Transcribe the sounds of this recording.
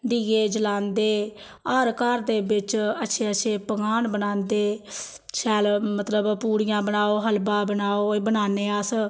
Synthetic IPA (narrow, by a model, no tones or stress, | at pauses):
ɖiːɡeːd͡ʒəlaːnd̪eː | ɔːɾkəɾd̪eːbɪt͡ʃətːʃʰeːəʃʰeːpəɡaːnbənãːnd̪eː | ʃʰɛːlmət̪ləbpuːɽɪjãːbənaːoːɦəlbãːbənaːoːbənaːneːəs